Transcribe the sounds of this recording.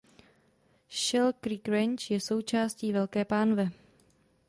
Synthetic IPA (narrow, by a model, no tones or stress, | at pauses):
ʃɛlkɾikɾɛɲt͡ʃjɛso̞wt͡ʃaːsciːvɛlkɛːpaːnvɛ